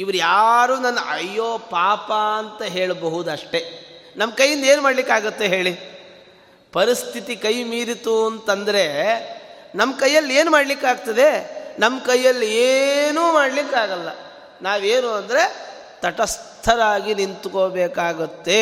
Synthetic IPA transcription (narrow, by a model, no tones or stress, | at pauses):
iʋɐɾujaːɾuːnɐnːɐʔɐ̰jːoːpaːpɐːnt̪ɐɦe̞ːɭbɐɦud̪ɐʂʈe̞nɐmːɐkɐjːind̪ɐe̞ːnumaːɖlikːaːɡut̪ːe̞ɦe̞ːɭi | pɐɾist̪ʰit̪ikɐjmiːɾit̪uɐnt̪ɐnd̪ɐɾe̞ | nɐmːɐkɐjːɐlːe̞ːnumaːɽlikːaːɡt̪ɐd̪e̞nɐmːkɐjːɐlːieːnuːmaːɽlikːaːɡɐlːɐ̰ | naːʋeːnuːɐnd̪ɐɾe̞ | t̪ɐʈɐst̪ʰɐɾaːɡinint̪ukobeːkaːɡut̪ːe̞